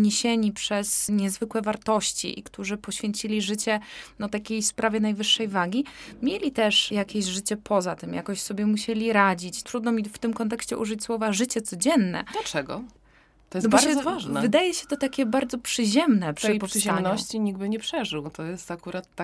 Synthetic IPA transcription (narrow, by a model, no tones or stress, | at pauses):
ɲeɕeɲipʂɛsɲɛzvɘkwɛvaɾt̪ɔɕt͡ɕḭʔḭkt̪uʐɘpɔɕfʲjeɲt͡ɕilʲiʐɘt͡ɕɛnɔt̪akʲejspɾʔavʲjɛnajvɘʂːɛjvaɡʲimʲjelʲit̪ɛʂjakʲeʑʐɘt͡ɕɛpʰɔzat̪ɘmja̰kɔɕsɔbʲjɛmuɕelʲiɾad͡ʑit͡ɕt̪ɾud̪nɔmʲift̪ɘmkɔnt̪̬ɛkɕt͡ɕɛʔuʐɨt͡ɕswɔvaʐɘt͡ɕɛt̪sɔd͡ʑɛnːɛ̰d̪lat͡ʂɛɡɔ̰ | t̪ɔjɛnɔaɾzɔvaʐnɛvɨd̪ajɛɕɛ̥t̪ɔt̪akʲɛbaɾd̪zɔpʂɘʑɛmnɛpʂɛpɔtaɲnɔɕt͡ɕiɲiɡ̚bɘɲɛpʂɛʐɘwt̪ɔjɛst̪akuɾat̪ːa